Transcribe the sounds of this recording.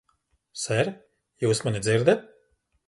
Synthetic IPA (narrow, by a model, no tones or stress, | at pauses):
sɛɾ | juːsmanid̪ziɾd̪ɛt̪̚